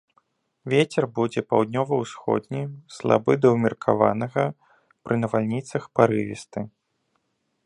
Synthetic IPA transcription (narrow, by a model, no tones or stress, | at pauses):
vʲet͡sʲɛrbud͡zʲɛpawd̪̚ʲnʲɔvɐwsxɔ̰d̪ʲnʲislˠa̰bɨd̪ɐwmʲirkʰa̰va̰nɐɣɐ | pɾʔɨnɐvalʲnʲit̪sɐxpaɾɨvʲist̪ɨ